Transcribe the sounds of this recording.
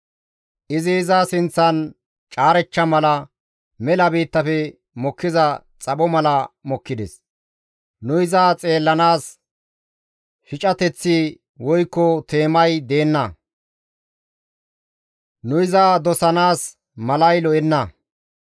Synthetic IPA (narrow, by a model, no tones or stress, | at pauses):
ʔɪzɪːzasɪnt͡sːɐn | t͡ʃʼaːɾɛt͡ʃːɐmɐlɐ | mɛlɐbiːt̪ːɐfɛ | mɔkːɪzɐ | t͡sʼɐbɔmɐlɐmɔkːɪd̪ɛ̰s | nʊɪzaːt͡sʼe̞ːlːɐnaːs | ʃɪt͡ʃʼɐt̪ɛt͡sːi | wɔjkːɔt̪e̞ːmɐjd̪e̞ːnːɐ | nʊɪzaːd̪ɔsɐnaːs | mɐlɐjlɔʔɛnːɐ